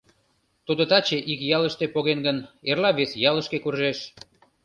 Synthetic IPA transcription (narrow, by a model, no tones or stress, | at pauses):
t̪ud̪ət̪ɑt͡ɕeʔikjɑləʃt̪epoɣenɡənerlɑβesjɑləʃkekurʒeʃ